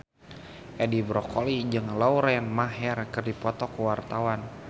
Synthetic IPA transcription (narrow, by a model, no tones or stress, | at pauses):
ʔɛdibɾɔkolid͡ʒɨŋlauɾɛnmaɦɛrkɨrdipɔt̪ɔkuwart̪awan